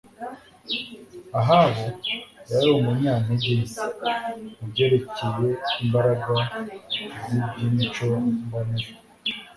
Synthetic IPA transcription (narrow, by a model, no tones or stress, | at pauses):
aɦaβojaɾiomuɲaːneɟeːze | ubɟe̞ːɾe̞ceje̞imbaɾaɡa | zibɟimit͡ʃomɡaniʒo